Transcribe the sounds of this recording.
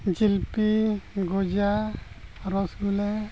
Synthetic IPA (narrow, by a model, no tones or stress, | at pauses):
d͡ʒilpiɡod͡ʒa | ɾɔsɡulɛ